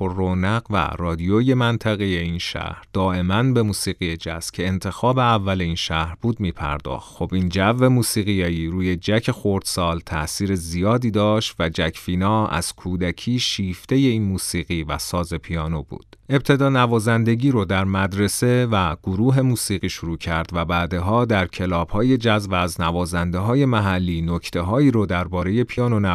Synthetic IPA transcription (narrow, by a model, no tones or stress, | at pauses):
oronæɣvæ̰rɒːd̪ijoje̞mænt̪ʰæɣeje̞inʃæ̰hɾd̪̥ɒːʔe̞mænbe̞muːsiːɣije̞d͡ʒæ̰scʰe̞ːnt̪ʰe̞xɒːbe̞ævːæleiːnʃæhɾb̥uːd̪miːpʰæ̰ɾd̪ɒ̰ːxt̪xo̞bind͡ʒævːe̞muːsiːɣijejiːɾuːje̞d͡ʒæcʰe̞xoɾd̪̥sɒːlt̪ʰæʔsiːɾezijɒːd̪iːd̪ɒːʃt̪væd͡ʒæcʰfiːnɒːæ̰z̥kʰuːd̪æcʰiːʃiːft̪e̞je̞iːnmuːsiːɣiːvæ̰sɒːze̞pʰijɒːnobṵːd̥e̞b̚t̪ʰe̞d̪ɒːnævɒːzænd̪e̞ɟiːɾod̪æɾmæd̪ɾe̞se̞væɡ̥oɾuːɦe̞muːsiːɣiːʃoɾuːcʰæɾd̪væbæːd̪e̞ɦɒːd̪æɾcʰe̞lɒːb̥hɒːje̞d͡ʒæzbːznævɒːzænd̪e̞ɦɒːje̞mæɦælːiːnocʰt̪ʰe̞ɦɒːiːɾod̪æɾbɒːɾe̞je̞pʰijɒːnonæ